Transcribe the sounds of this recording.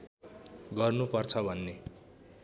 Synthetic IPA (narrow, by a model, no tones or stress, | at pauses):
ɡʌrnupʌrt͡sʰʌbʱʌnːe